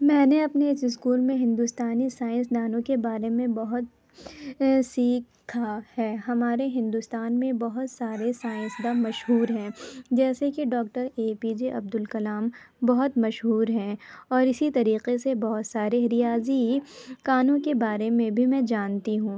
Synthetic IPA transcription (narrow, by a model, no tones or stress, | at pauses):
mɛ̃ːneɐpneɪsɪskuːlmẽɦɪ̃nd̪ust̪aːnisaːɪ̃ns̬d̪aːnõkebaːɾemẽbɐɦʊt̪ | siːkʰahɛːɦɐmaːɾeɦɪ̃nd̪ʊst̪aːnmẽbɐɦʊt̪saːɾesaːɪ̃nsd̪amɐʃɦuːɾɦɛ̃ːd͡ʒɛːsekiɖɔːk̚ʈəɾeːpid͡ʒeʔɐ̰b̚d̪ʊlkɐlaːm | bɐɦʊt̪mɐʃɦuːɾɦɛ̃ɔːɾɪsit̪ɐɾiːqesebɔɦʊt̪saːɾeɦɾijaːzikaːnõkebaːɾemẽbʱimɛ̃d͡ʒaːnt̪iɦũː